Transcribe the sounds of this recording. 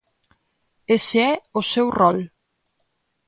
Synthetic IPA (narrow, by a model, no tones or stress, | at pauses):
eseɛʊsɛwrɔl